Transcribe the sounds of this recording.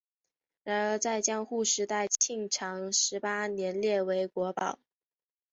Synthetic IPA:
ɻa˧˥nə˞˧˥t͡sa˥˩ɪt͡ɕjɑ˥ŋxu˥˩ʂɻ̩˧˥t̪a˥˧ɪt͡ɕʰi˥˩ŋʈ͡ʂʰɑ˧˥ŋʂɻ̩˧˥pa˥njɛ˧˥nljɛ˥˩we˧˥ɪkwɔ˧˥pɑ˨˩˦ʊ

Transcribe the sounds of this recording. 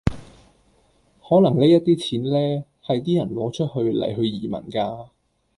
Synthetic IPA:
hɔː˨˥lɐ˨˩ŋle˥jɐ˥t̚t̪iː˥t͡sʰiː˨˥nlɛː˥ | hɐ˨jt̪iː˥jɐ˨˩nlɔː˨˥t͡ʃʰɵ˥t̚hɵ˧ɥlɐ̰˨˩jɦɵ˧ɥjiː˨˩mɐ̰˨˩nkaː˧

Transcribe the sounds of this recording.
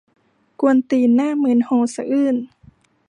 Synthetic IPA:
ku˧ənt̪iː˨˩naː˥˨mɯ˧˩ənhoː˧˨sa˧ʔɯː˧˥˩n

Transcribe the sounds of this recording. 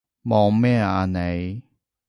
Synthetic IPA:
mɔː˨˧mɛː˥˧˨a˧ne˨˧j

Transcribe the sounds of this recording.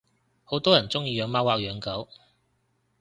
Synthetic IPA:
ho˨˥wt̪ɔː˥jɐ˨˩nt͡sʊ˥ŋjiː˧jœː˨˧ŋmaː˥waː˨˧k̚jœː˨˧ŋkɐ˨˥w

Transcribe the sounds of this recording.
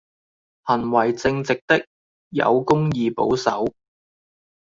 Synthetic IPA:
hɐ˨˩nwɐ˨˩jt͡sɪ˧ŋt͡sɪ˨k̚t̪ɪ˥k̚ | jɐ̰˨˧wkʊ˥ŋjiː˧po˨˥wsɐ̰˨˥w

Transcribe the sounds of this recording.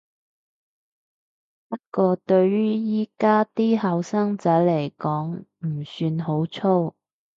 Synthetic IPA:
pɐ˥t̚kɔː˧t̪ɵ˧ɥɥyː˥jiː˥kaː˥t̪iː˥hɐ˨˧wsɐ˥ŋt͡sɐ˨˥le˨˩jkɔː˨˥ŋm̩˨˩syː˧nɦo˨˥wt͡sʰo˥w

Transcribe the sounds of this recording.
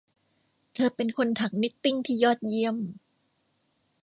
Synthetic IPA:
t̪ʰɤː˧pe˧nkʰo˧nt̪ʰa˩˦k̚ni˦˥k̚t̪i˥˩ŋt̪ʰiː˥˩jɔː˥˩t̪̚ji˧əm

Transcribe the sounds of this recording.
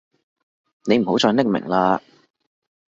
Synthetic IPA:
ne˨˧jm̩˨˩ho˨˥wt͡sʰœː˧nɪ˥k̚mɪ̰˨˩ŋlaː˧

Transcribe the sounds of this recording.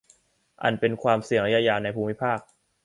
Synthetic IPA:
ʔa̰˨˩npe˧nkʰwaː˧msi˨˩əŋɾa˦˥jaː˧˥jaː˧na˧jpʰuː˧mːi˦˥pʰaː˥˩k̚

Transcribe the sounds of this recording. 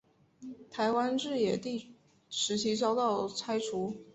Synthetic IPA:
t̪ʰa˧˥ɪwa˥nʈ͡ʂɻ̩˥˩jɛ˨˩t̪i˥˩ | ʂɻ̩˧˥t͡ɕʰi˥t͡ɕɑ˥ʊt̪ɑ˥˩ʊt͡sʰa˥ɪʈ͡ʂʰu˧˥

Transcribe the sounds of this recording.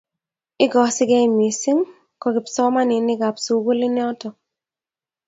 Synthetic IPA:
ɪ˦ɡɔ˨sɪ˦ɡɛ˦˨mi˨sɪ˦ŋ | kɔ˨ɡɪ˨psɔ˦ma˦nɪ˨nɪ˦ɡa˨psu˨ɡo˦lɪ˦nɪ˦ɔ˦tɔ˨

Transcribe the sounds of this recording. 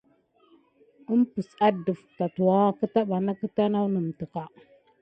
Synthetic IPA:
ə˦mpə˨sa˦də˨fta˨tu˨wa˦kə˦ta˦ɓa˨na˦kə˦ta˦na˦wnə˨m˨tə˨ka˨

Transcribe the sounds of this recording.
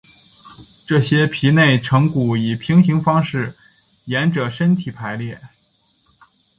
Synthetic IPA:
ʈ͡ʂɤ˥˩ɕjɛ˥pʰi˧˥ne˥˩ɪʈ͡ʂʰɤ˧˥ŋku˨˩i˨˩pʰi˧˥ŋɕi˧˥ŋfɑ˥ŋʂɻ̩˥˩ | jɛ˧˥nʈ͡ʂɤ˨˩ʂə˥nt̪ʰi˨˩pʰa˧˥ɪljɛ˥˩

